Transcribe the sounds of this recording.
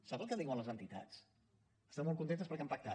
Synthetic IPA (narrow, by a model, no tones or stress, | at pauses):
sapəlˠkəðiwənləzənt̪it̪a̰t͡s | əst̪amɔlˠkunt̪ent̪əspəɾkɛampak̚t̪a